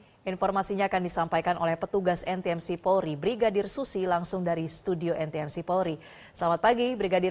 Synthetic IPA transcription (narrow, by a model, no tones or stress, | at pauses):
ʔinfɔrmasiɲaːkandisampajkanʔolɛhpət̪uɡasɛnt̪eɛmsipɔɾibɾiɡadɪrsusilaŋsʊŋdaɾist̪udioʔɛnt̪ɛɛmsipɔlɾi | səlamat̪̚paɡibɾiɡadɪ